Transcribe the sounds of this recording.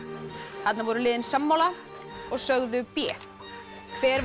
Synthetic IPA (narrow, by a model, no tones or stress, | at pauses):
hat̪navɔːɾʏlɪːðɪnsamːawla | ɔɣsœɣðʏpjɛː | kʰvɛːɾv